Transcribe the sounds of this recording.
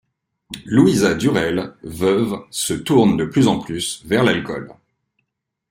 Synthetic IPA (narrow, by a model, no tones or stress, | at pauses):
luizad̪yʁɛlvœvsət̪uʁnd̪əplyzɑ̃plysvɛʁlalkɔl